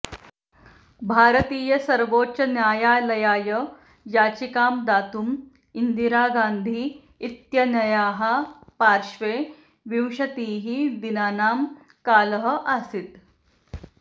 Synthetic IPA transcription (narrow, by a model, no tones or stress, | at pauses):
bʱaːɾɐt̪iːjɐsɐɾʋoːt͡ʃɐnjaːjaːlɐjaːjɐ | jaːt͡ʃikaːmd̪aːt̪um | ind̪iɾaːɡaːnd̪ʱiː | t̪jɐnɐjaːɦɐpaːɾʃʋeː | ʋiwʃɐt̪iːɦid̪inaːnaːm | kaːlɐɦɐ̆ʔasit̪